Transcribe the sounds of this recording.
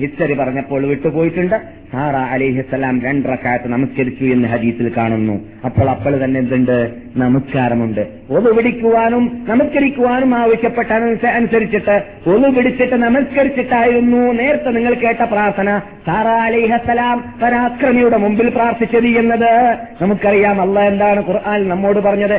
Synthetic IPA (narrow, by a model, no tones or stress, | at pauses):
hit͡ɕːɐripɐrɐɲːɐpːo̞ːɭʋiʈːupo̞ːjiʈːuɳɖɨ | saːɾaːɐlɐjɦisːɐlaːmɾeɳɖrɐkːaːjɐt̪ːɨnɐmɐskɐɾit͡ɕːue̞nːɐɦɐd̪iːsilkaːɳunːṵ | ɐpːo̞ːɭɐpːoːɭt̪ɐnːend̪uɳɖɨ | nɐmɐskaːɾɐmuɳɖɨ | o̞ðupiɽikʲːuʋaːnumnɐmɐskɐɾikʲːuʋaːnumaːʋɐɕjɐpːeʈːaːnɐnusɐɾit͡ɕːiʈːɨ | olupiɽit͡ɕːiʈːɨnɐmɐskɐɾit͡ɕːiʈːaːjiɾunːune̞ːɾɐt̪ːeniŋːɐɭke̞ːʈːɐpraːrt̪ʰɐnɐ | saːɾaːɐlɐjɦɐsːɐlaːmpɐɾaːkrɐmijuɽe̞mumbilpraːrt̪ʰit͡ɕʲːɐðienːɐðɨnɐmukːɨɐrijaːmɐlːaːe̞nd̪aːɳɨkurʔaːnilnɐmːo̞ːɽɨpɐrɐɲːɐðɨ